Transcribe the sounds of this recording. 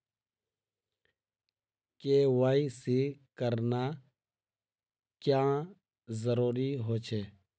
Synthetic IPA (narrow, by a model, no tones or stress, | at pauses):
keːʋaːisikəɾna | kjãː | zəɾuːɾiːɦoːt͡ʃʰeː